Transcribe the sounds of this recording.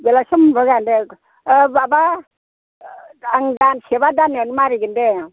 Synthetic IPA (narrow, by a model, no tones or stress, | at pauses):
belasɯmbɔɡande | baba | aŋɡansʰebadanenmaɾiɡinde